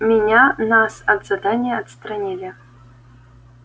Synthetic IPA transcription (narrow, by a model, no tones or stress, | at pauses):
mʲɪnʲanasɐd̪zad̪anʲɪjəɐt̪st̪ɾɐnʲilʲɪ